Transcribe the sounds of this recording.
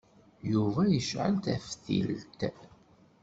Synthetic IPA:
juvæjəʃʕə̰nt̪æ̰fθḭlt̪

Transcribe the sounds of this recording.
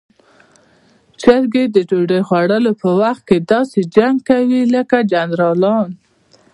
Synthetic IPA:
t͡ʃəɾɡed̪əd͡ʒoɖexwaɽəlopəwaxt̪̚ked̪ɑsed͡ʒaŋɡ̚kawiləkad͡ʒanɾɑlɑn

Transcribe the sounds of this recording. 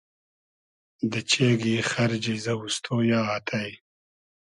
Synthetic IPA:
d̪ət͡ʃeɡixaɾd͡ʒizawust̪ʰojɑːat̪ʰaj

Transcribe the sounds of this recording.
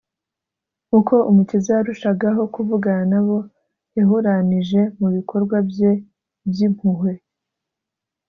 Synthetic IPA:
kuko̞ʔumucizaaɾuʃaɡaɦo̞kuvuɡananaβo̞ | jaɦuɾaniʒe̞muβikʰo̞ɾɡwabje | bjim̥huhwe̞

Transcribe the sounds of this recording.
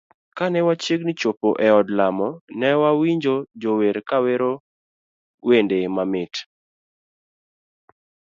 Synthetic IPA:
kanɛwat͡ʃjeɡnɪt͡ʃopoʔɛɔdlamɔnɛwawiɲd͡ʒod͡ʒoweɾkaweɾo | wendemamɪt

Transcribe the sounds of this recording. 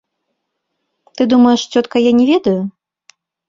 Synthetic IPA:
t̪ɨd̪umɐjɛʂt͡sʲɔt̪kɐjanʲɛvʲɛd̪ɐju

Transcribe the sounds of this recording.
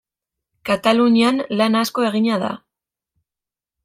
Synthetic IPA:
kat̪aluɲianlanasko̞e̞ɣiɲaða̰

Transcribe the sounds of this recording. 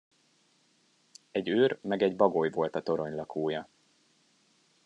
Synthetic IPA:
ɛɟøːrmɛɡɛɟbɒɡojvo̞lt̪ɒt̪o̞ɾo̞ɲlɒkʰoːjɒ

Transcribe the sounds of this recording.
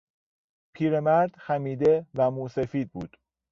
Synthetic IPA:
pʰiːɾemæɾd̪̥xæmiːd̪evæmuːsefiːd̪̚bṵːd̪̥

